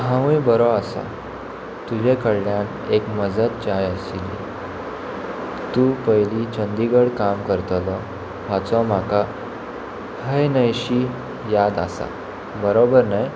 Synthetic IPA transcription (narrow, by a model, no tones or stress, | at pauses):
ɦãʋjbəɾɔasa̰ | t̪ud͡ʑekəɽljãn | ekməd͡zat̪̚t͡ɕajəsilḭ | t̪upəjlit͡ɕənd̪iɡəɽkamkəɾt̪lɔ | ʋat͡sɔmaka | həjnəjɕi | jad̪a̰sa̰ | bəɾobəɾnaj